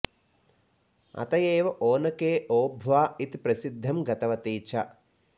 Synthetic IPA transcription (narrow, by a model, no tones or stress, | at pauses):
ɐ̰t̪ɐjeːʋɐʔoːnɐkeːʔoːbʱʋaːit̪ipɾɐsid̪ʱːɐmɡɐt̪ɐʋɐt̪iːt͡ʃʰɐ